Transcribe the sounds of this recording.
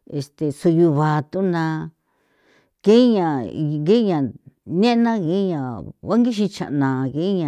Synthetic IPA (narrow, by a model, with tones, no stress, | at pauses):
e˨st̪e˨su˧ju˧βa˨t̪u˦nã˧ | ke˦ɲã˨˧ŋɡe˦ɲã˨nẽ˦nã˦ɣe˧˦ɲã˨βa˦ŋɡi˦ʃ̬ĩ˧t͡ʃã̰˨ʔnã˨ɣe˦ɲã˧